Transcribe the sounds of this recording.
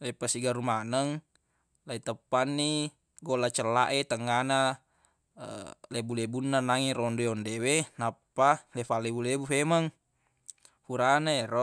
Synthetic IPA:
lepasiɡaɾumanəŋ | lait̪əpːanːi | ɡolat͡ʃəlːaʔet̪əŋːana̰ | lebulebunːanaŋiɾɔndojɔndewenapːalefalebulebufemaŋ | huɾanaeɾɔ

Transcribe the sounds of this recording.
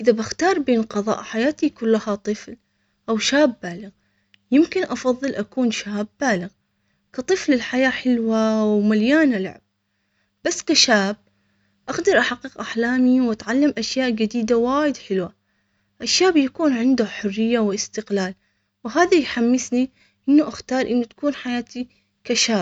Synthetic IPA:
ʔɪðabɪxt̪ɑːɾˤbeːnqɑðˤɑ̰ːʔħajaːt̪ikʊlːahat̪ˤɨfl | ʔawʃaːbːaːlɪɣ | jɪmkɪnʔɑfɑðˤːɨlʔakuːnʃaːbːaːlɪɣ | kɑt̪ˤɨflɪlħajaːħɪlwawmaljaːnala̰ʕɪb̚ | b̥asːkaʃaːb̚ | ʔaɡd̪ɑɾˤʔaħaqːɪqʔaħlaːmiwʔat̪ʕalːamʔaʃjaːʔd͡ʒad̪iːd̪awaːjɪd̪ħɪlwa | ʔɪʃːaːbjakuːnʕɪnd̪ʊħʊrːɪjːawɪst̪ɪqlaːl | wɦaːðajħamːɪsni | ʔɪnːʊʔaxt̪ɑːɾˤʔɪnːat̪ḁkuːnħajaːt̪ʰi | kaʃaːb̚

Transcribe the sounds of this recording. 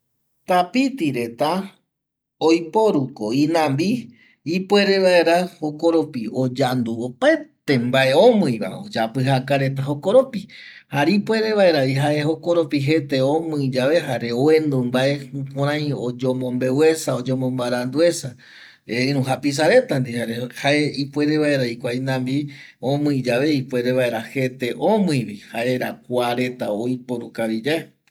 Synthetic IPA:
t̪apit̪iɾe̞t̪a | ojpo̞ɾukoinãmbi | ipwe̞ɾe̞βaeɾaho̞ko̞ɾopiod͡ʒand̪uopet̪e̞mbaʔe̞õmɨ̃jβa̰o̰d͡ʒapɨɦakaɾe̞t̪̬aɦo̞koɾopi | haɾipwe̞ɾe̞βaeɾaiɦaeɦo̞koɾo̞piɦe̞t̪eõmɨ̃d͡ʒaʋe̞ɦaɾeoend̪umbaʔe̞põɾ̃ãj̃od͡ʒomõmbe̞we̞saod͡ʒomõmbaɾand̪ue̞sa | eĩɾũɦapis̬aɾe̞t̪and̪ihaɾehaeipwe̞ɾeβaeɾaikʷajnãmbiõmɨ̃id͡ʒaβe̞ipwe̞ɾeβae̞ɾahe̞t̪e̞ʔõmɨ̃jβihaʔeɾakʷaɾe̞t̪aojpoɾukaβid͡ʒae

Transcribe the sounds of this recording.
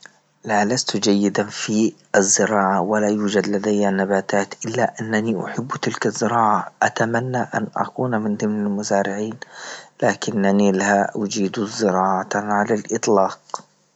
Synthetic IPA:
lalast̪d͡ʒajːɪd̪anfiʔazːɪɾɑːʕawalajuːd͡ʒad̪lad̪ajːanːabaːt̪aːt̪ʔɪlːaʔanːaniʔʊ̰ħɪbːt̪ɪlkazːɪɾɑːʕaʔat̪amanːaʔa̰nʔa̰kuːnmɪnd̪ɪmnalmʊzaːɾɪʕiːnlaːkɪnːanilaʔʊd͡ʒiːd̪uzɪɾɑːʕaaʕalalʔɨt̪ˤlɑːq

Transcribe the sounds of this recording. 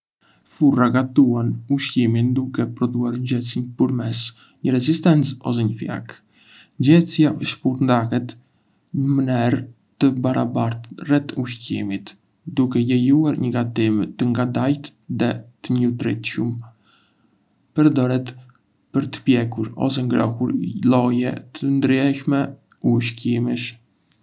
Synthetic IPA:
furaɡat̪uanuʃcimind̪ukɛpɾɔd̪uaɾɲɟɛt͡sinpuɾmɛs | ɲəɾɛzist̪ɛnt͡sɔs̬ɛɲəfja̰k | ɲd͡ʑɛt͡sjaʔəʃpuɾnd̪akɛt̪ | ɲəmənɛɾ | t̪əbaɾʔa̰baɾt̪rɛt̪uʃcimit̪ | d̪ukɛjɛjuaɾɲəɡat̪imt̪əŋɡad̪ajt̪ðɛt̪əɲut̪ɾit̪ʃum | pəɾd̪ɔɾɛt̪ | pəɾt̪ə̥pjɛkuɾɔ̰s̬ɛŋɡɾɔhuɾlɔjɛ̰t̪ʰənd̪ɾjɛʃmɛ | uʃcimiʃ

